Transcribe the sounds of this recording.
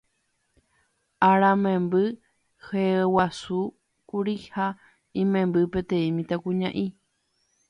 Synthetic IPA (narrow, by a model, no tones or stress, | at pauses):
aɾamẽmbɨ | hewasu | kuɾiha | ĩmẽmbɨpet̪ẽĩmĩt̪akuɲãʔi